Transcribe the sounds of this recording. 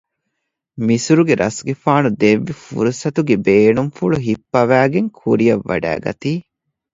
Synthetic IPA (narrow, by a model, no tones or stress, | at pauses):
misuɾuɡeɾʔɐsɡefaːnud̪eʋːifṵɾusɐt̪uɡebeːnumfuɭuɦipːɐʋæːɡeŋkʰuɾijɐʋːɐ̰ɖæ̰ːɡɐ̰t̪iː